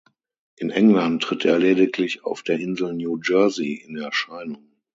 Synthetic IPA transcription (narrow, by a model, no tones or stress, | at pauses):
ʔɪnʔɛŋlantːʁ̥ɪtʰeːɐleːdɪkʰlɪça̰ʊfd̥eːɐɪnzl̩njuːd͡ʒɜɐziɪnɛɐʃaɪnʊŋ